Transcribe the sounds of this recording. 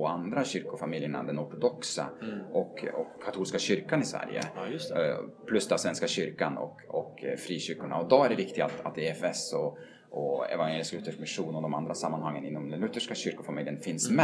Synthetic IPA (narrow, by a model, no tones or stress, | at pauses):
ɔand̪ɾaɕʏɾkʊfamɪljəɳa̰d̪ɛnɔʈʊd̪ɔksa̰ɔkːɔkʰːat̪ʰuːlskaɕʏɾkanɪsvæ̰ɾjə̰ | pʰlɵsd̪asvɛnskaɕʏɾkanɔ̰kɔkfɾiːɕʏɾkʊɳa̰ɔd̪ɔæɖɛvɪkt̪ɪɡa̰t̪a̰t̪eːɛfɛsɔ | ɔɛ̰vanjeːlɪsklʉːt̪ːəɛfmɪʂuːnɔd̪ɔma̰nd̪ɾasamːanhaŋːənɪnːɔmd̪ɛnɵt̪ːəʂkaɕʏɾkʊfamɪljənfɪnsmɛ